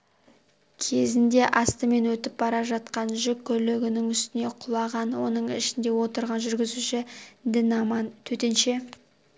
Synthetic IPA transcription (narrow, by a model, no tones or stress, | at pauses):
kʲʰe̞zɪnd̪e̞ʔɑst̪əme̞nwɵt̪ɪp̚bɑɾɑʒɑt̪̚qɑnʒʏkʲʰːɵleɡʲɪnɪŋʏst̪ɪne̞qʰʊlˠɑʁɑnwo̞nəɴɪ̰ʃɪnd̪e̞wo̞t̪əɾʁɑnʒʏɾɡʲɪzuʃɪd̪ɪnɑmɑnt̪ʰɵt̪e̞nʃe̞